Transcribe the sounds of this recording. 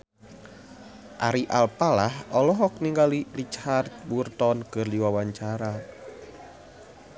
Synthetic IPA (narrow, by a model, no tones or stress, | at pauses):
ʔa̰ɾiʔalpalahɔlɔɦɔk̚niŋɡalilit͡ʃart̪̚wurt̪ɔnkərliwawaɲt͡ʃaɾa